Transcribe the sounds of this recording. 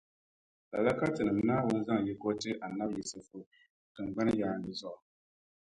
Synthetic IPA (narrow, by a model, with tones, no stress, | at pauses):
la̰˨la˦ka˦tɨ˨nɨ˨mnaː˦wʊ˦n˦za˦ŋ˨ji˦ko˦tɨ˦ʔa˨na˦bji˨sɨ˨fo˨ | tɨ˨ŋ˨ɡ͡ba˦n˦jaː˦˨nɨ˨zɔ˦ʔɔ˨